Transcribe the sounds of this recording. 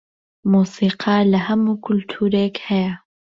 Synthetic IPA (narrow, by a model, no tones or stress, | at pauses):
musiqʰalahamukʰult̪ʰuːɾekhɛja